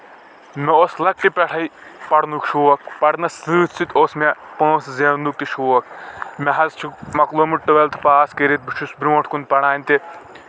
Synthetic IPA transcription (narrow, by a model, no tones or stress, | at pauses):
mɛoslɐk̚ʈipʲɛʈʰɐjpɐɽnukʃuːɐk̚pɐɽnɐsɨːt̪ʰsit̪oːsmepɐ̃ːszenuk̚t̪iʃuːɐk̚mɛɦɐzt͡ʃʰukmɐkloːmiʈɨʋelt̪ʰpaːskeɾit̪̚bɨt͡ʃʰusbɾʲũːʈʰkunpɐɽaːnʲt̪i